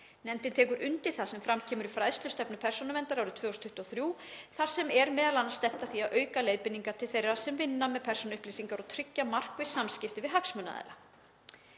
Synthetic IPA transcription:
nɛnt̪ɪnt̪ʰɛːkʏɾʔʏnt̪ɪ̥θasɛmfɾamcʰɛːmʏɾɪfɾaːjðst̪ʏst̪ɛpnʏpʰɛr̥sɔnʏmɛnt̪aɾawɾʏt̪ʰvœːɔst̪ʰʏht̪ɔθɾjuːθar̥sɛmɛɾmɛːðalanːast̪ɛm̥t̪aθiaðʔœːɥkaleːjðpɪnːiŋkat̪ʰɪlθejrːḁsɛmvɪnːamɛðpʰɛr̥sɔnʏhpliːsiŋkaɾɔt̪ʰɾʏcːamar̥kvɪ̥samscɪft̪ɪvɪðɦaksmœːna̰ðɛ̰la̰

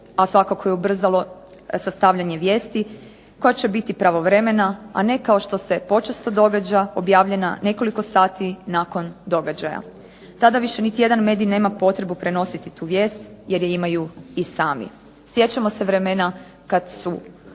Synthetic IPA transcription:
asʋakako̞jeubr̩zalˠo̞ | sast̪aʋʎaɲe̞ʋje̞ːst̪i | ko̞jat͡ɕe̞bit̪ipɾaʋo̞ʋɾe̞me̞naa̰ne̞kao̞ʃt̪o̞se̞po̞t͡ʃest̪od̪o̞ɡad͡ʑaobjaːʋʎe̞nane̞ko̞liko̞saːt̪inako̞nd̪o̞ɡad͡ʑaja̰ | t̪ad̪aʋiʃe̞nit̪ije̞d̪anme̞d̪ijne̞ːmapo̞t̪ɾe̞bupɾe̞no̞sit̪it̪uːʋjeːst̪je̞ɾjeimajuisaːmḭ | sje̞t͡ɕamo̞se̞ʋɾe̞mena | kad̪su

